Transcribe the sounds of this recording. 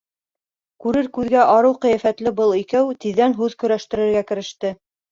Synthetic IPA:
kʉɾɘɾkʉðɡæʔɑɾɤwqɤ̆jæfæt̪lɘbɤlˠikæwt̪iðːænɦʉðkɵ̆ɾæʃt̪ɘ̆ɾɘ̆ɾɡækɘ̆ɾɘ̆ʃt̪ɘ

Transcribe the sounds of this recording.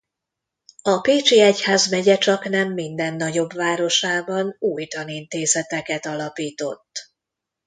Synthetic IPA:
ɒpeːt͡ʃiɛchaːzmɛɟɛt͡ʃɒknɛmːind̪ɛnːɒɟo̞bvaːɾo̞ʃaːbɒnuːjt̪ɒnint̪eːzɛt̪ɛkɛt̪ɒlɒpiːt̪o̞̰t̪ː

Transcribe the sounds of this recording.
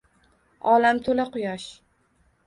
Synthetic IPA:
ɒlamt̪ʰolaqʊjɒʃ

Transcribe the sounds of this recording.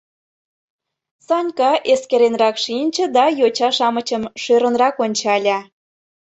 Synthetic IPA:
sɑnʲkɑʔeskeɾenrɑkʃinʲt͡ɕə̆d̪ɑjot͡ɕɑʃɑmət͡ɕəmʃøɾə̆nrɑkonʲt͡ɕɑlʲɑ

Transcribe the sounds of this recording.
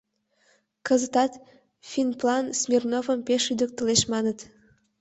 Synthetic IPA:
kəzət̪ɑt̪ | fʲinplɑnsmʲirnovəmpeʃyd̪ə̆k̚t̪əleʃmɑnət̪

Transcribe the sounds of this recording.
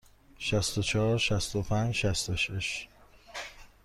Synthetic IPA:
ʃæst̪ot͡ʃʰɒːɾʃæst̪opʰænd͡ʒʃæst̪oʃeʃ

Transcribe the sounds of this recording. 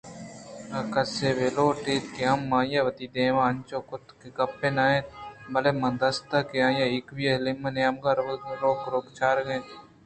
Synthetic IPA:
ɐkɐseːʋeloːʈeːt̪keamːaːjaːʋɐt̪iːd̪eːʋãːɐnt͡ʃoːkʊt̪kekɐpːeːnaːẽːbɐleːmɐ̃nd̪ɐst̪akeãːjaɪkʋijɐlemɐneamɡaɾɾoːkɾokt͡ʃʰaːɾɡẽ

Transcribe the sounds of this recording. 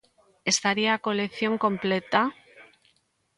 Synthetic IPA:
e̞st̪aɾiako̞lekθjo̞ŋko̞mple̞t̪a

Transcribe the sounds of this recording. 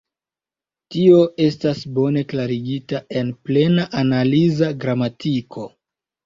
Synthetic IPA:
tio̞ʔe̞stasbo̞ne̞klaɾiɡitae̞nple̞naʔanalizaɡɾamatikʰo̞

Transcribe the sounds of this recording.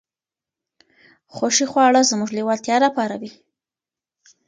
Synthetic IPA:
xoʃixwɑɽəzəmuʐliwɑlt̪jɑlapɑɾawi

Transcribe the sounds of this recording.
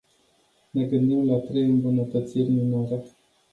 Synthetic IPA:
ne̞ɡɨnd̪imlat̪ɾejɨmbunət̪ət̪sirʲminoɾe

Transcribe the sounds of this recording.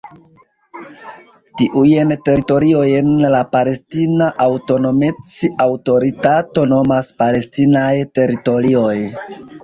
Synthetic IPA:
tiʔujnte̞ɾito̞ɾio̞jenlapale̞stinaʔawto̞no̞met͡siawto̞ɾitato̞no̞maspale̞stinajte̞ɾito̞ɾio̞j

